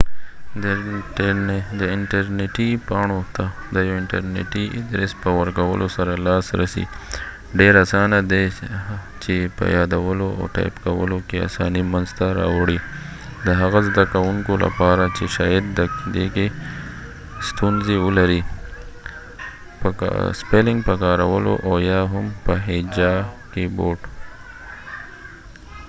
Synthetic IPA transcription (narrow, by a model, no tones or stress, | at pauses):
d̪ | d̪əɪɳʈaɾneʈipɑɳ̃ot̪a | d̪əjaɪɳʈa̰ɾnḛʈiɪd̪ɾespəwaɾkawə̰lʔosaɾalɑsɾa̰sḭ | ɖeɾasɑnad̪e | t͡ʃepə̰jɑd̪awəloa̰ʈa̰jpkawə̰lokea̰sɑ̰nimanzt̪aɾɑ̰waɽi | d̪əɦaɣazd̪akawʊŋkola̰pɑɾat͡ʃeʃɑjad̪d̪əkd̪eke | st̪unzeəlaɾi | pə̰spelɪŋɡpəkɑɾawəlo̰ʔajɑɦʊmpəɦed͡ʒɑ | keboʈ